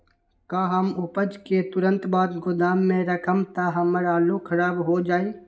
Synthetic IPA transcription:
kaːɦəmʊpəd͡ʒket̪ʊɾə̃nt̪baːd̪ɡʊd̪aːmːẽɾəkʰəmt̪aɦəməɾaːlokʰəɾaːbɦod͡ʒaːiː

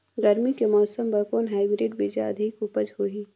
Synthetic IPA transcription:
ɡɐɾmikemɔːsəmbɐkoːnɦaːɪbɾɪːɖbid͡ʒaɐ̰d̪ʱɪkupəd͡ʒɦoːiː

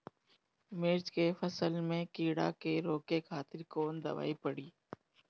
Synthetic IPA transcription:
mɪɾt͡ʃkefɐsəlmẽkiːɽa̰keɾoːkekʰaːt̪ɪɾkoːnd̪ɐ̰ʋa̰ːipɐɽiː

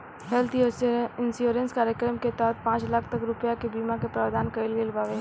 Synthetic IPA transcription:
ɦɛlt̪ʰisɪnsjuːɾə̃nskaːɾjəkɾəmket̪ɔːt̪̚pãːt͡ʃlaːkʰt̪ɐkɾʊpjakebiːmakepɾaːʋd̪aːnkəɪlɡelbaːʋeː

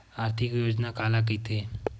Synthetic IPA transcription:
aːɾt̪ʰɪkjoːd͡ʒnakaːlak̬it̪e

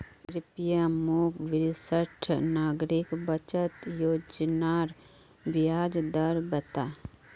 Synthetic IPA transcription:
ɾɪpjamokʋɪɾsəʈʰnaːɡɾɪkbət͡ʃət̪joːd͡ʒnaːɾ | bjaːd͡ʒd̪əɾbət̪aː

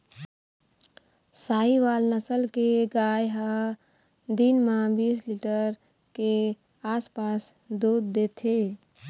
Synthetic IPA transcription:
saːiʋaːlnəsəlkeɡaːjɦa | d̪inmãbiːsliʈəɾ | ke | aːspaːs | d̪uːd̪ːeːt̪ʰe

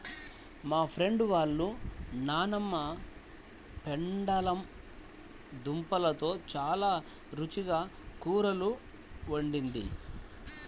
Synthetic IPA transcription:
maːpʰɾe̞ɳɖʋaːɭːunaːnɐmːɐ | peɳɖɐlɐm | d̪umpɐlɐt̪o̞ːt͡ʃaːlaː | ɾut͡ʃiɡaːkuːɾɐlu | oɳɖind̪ḭ

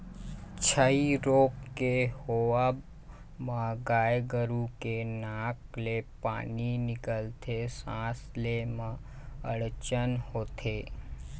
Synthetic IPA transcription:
t͡ʃʰəiɾokːehoʋab | mãɡajɡəɾukenãklepa̰ninɪkəlt̪ʰesãslemã | əɭt͡ʃənhot̪ʰe

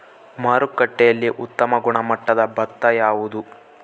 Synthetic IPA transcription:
maːɾukːɐʈːɛjɐlːiʔut̪ːɐmɐɡuɳɐmɐʈːɐd̪ɐbɐt̪ːɐjaːʋud̪u

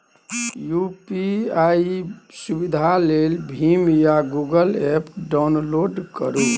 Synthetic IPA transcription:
jupiaisubid̪ʱalelbʱimjaɡuɡəlepɖawnloɖkəɾu

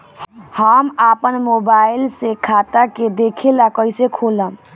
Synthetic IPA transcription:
həmapənmobailsekʰat̪aked̪ekʰelakəjsekʰoləm

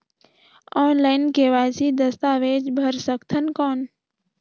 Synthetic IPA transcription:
ɔːnlaɪnkeːʋaːsid̪əst̪aːʋeːd͡ʒbʱəɾsəkt̪ʰənkoːn

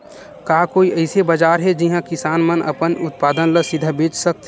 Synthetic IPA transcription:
kaːkoːiʔəɪsebəd͡ʒaːɾɦɛd͡ʒiɦãkɪsaːnmənʔɐ̰pənʊt̪paːd̪ənləsɪd̪ʱəbeːt͡ʃsək̚t̪

